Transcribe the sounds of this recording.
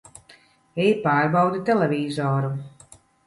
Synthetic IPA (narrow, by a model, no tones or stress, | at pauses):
ɛjipaːɾbawd̪it̪elevʲiːzɔːɾu